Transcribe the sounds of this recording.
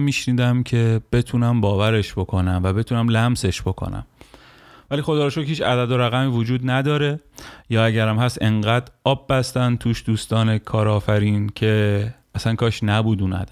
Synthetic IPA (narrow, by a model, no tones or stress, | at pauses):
miːʃniːd̪æmcʰe̞b̥e̞t̪ʰuːnæmbɒːvæɾe̞ʃb̥o̞kʰo̞næmvæbe̞t̪ʰuːnæmlæmse̞ʃb̥o̞kʰo̰næ̰m | væliːxo̞d̪ɒːɾɑʃoiːt͡ʃʰæd̪æd̪o̞ɾæɣæmiːvod͡ʒuːd̪næd̪ɒːɾe̞jɒːæɟæɾæmhæse̞ŋɢæːd̪ɒːbːæst̪ænt̪ʰuːʃd̪uːst̪ɒːne̞kʰɒːɾɒːfæɾiːncʰe̞ | æsænkʰɒːʃnæbuːd̪uːnæ̰d̪